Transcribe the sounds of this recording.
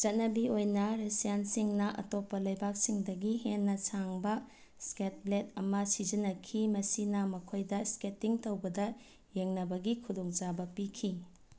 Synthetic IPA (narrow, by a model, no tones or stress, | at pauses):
t͡ʃɐt̚nɐbiojnɐɾɐsijansiŋnɐʔɐ̰topːɐlɐjbak̚siŋdɐɡiɦenːɐsʰaŋbɐ | sket̚blet̚ɐmɐsid͡ʒɐnɐkʰimɐsinɐmɐkʰojdɐsketːiŋtowbɐdɐ | jeŋnɐbɐɡikʰudoŋd͡ʒabɐpikʰi